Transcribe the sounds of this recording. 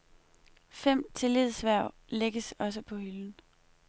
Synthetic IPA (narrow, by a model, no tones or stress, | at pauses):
fem̰t͡sʰe̝le̝ð̰ˠsʋæɐ̰ʊ̰ | leɡ̥əsɒ̽s̬əpʰɒ̽hyln̩